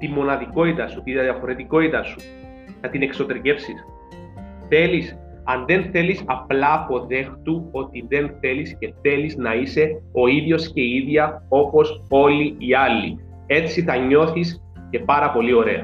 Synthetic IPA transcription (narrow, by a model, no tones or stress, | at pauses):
t̪imːo̞nɐðiko̞it̪ɐsut̪iðɐðɐfo̞ɾe̞t̪iko̞it̪ɐsu̥ | nɐt̪ine̞kso̞t̪eɾɲe̞fsis | θe̞lis | ɐnðe̞nθe̞lisɐplɐːpo̞ðe̞xt̪uo̞t̪iðe̞nθe̞lisce̞θe̞liznɐise̞o̞iðʝo̞sce̞iðʝɐo̞po̞so̞liiɐlːḭ | e̞t͡siθɐɲo̞θis | ce̞pɐɾɐpo̞lio̞ɾe̞̰ɐ̰